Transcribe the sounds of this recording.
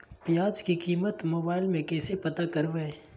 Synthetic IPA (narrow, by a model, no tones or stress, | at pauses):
pijaːd͡ʒkikiːmət̪moːbaːɪlmẽkɛːsepɐt̪akɐɾʋɛ